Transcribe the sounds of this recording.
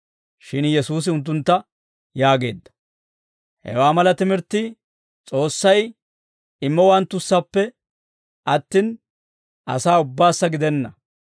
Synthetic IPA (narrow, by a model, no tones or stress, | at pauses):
ʃɪnjɛsuːs̬ɪʊnt̪̬ːʊnt̪ːɐ | jaːɡe̞̰ːd̪ːɐ̥ | hɛ̰waːmɐlɐt̪ɪmɪɾt̪ːɪ | t͡sʼo̞ːsːɐj | ɪmːɔwɐnt̪ːʊsːɐpːɛ | ʔɐt̪ːɪn | ʔɐ̰saːʊbːaːsːɐɡɪd̪ɛnːɐ